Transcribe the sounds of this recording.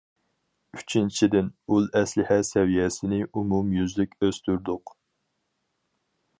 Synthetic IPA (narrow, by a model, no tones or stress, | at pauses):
yt͡ʃʰint͡ʃʰid̪ɪnulˠɛslɪhɛsɛwijɛsɪnɪʔumumjyzlɪkʲøz̥t̪ʰyɾd̪ʊq